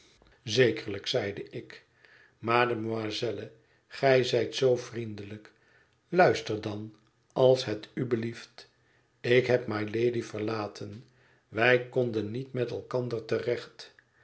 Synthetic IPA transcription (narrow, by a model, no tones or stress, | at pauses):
zejkəɹləksɛjdəʔɪk | maːdəmazɛlə | χɛjzɛjtsowfrindələk | lœɥstəɹdɑn | ɑlˠsɦɛtybəlift | ɪkɦɛpmajlejdifəɹlaːtʰən | ʋɛjkondənːitmɛtɛlˠkɑndəɹtərɛχt